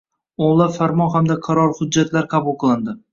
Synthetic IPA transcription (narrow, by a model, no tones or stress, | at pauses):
olˠafaɾmɒnɦamd̪aqʰɑɾɒɾhʊd͡ʒːat̪ʰlaɾqʰɑbʊlˠqʰɨlˠɪnd̪ɪ